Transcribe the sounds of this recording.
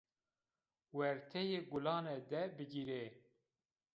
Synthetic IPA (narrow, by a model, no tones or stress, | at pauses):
wɛɾt̪ʰɛjeːɡʊlɑːned̪ɛbɨɡiɾe